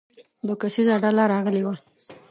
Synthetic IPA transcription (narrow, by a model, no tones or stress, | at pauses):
lokasizaɽalaɾɑɣəlewa